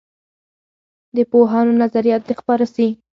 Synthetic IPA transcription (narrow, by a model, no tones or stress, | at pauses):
d̪əpoɦɑnonazaɾijɑt̪̚d̪expɑɾasi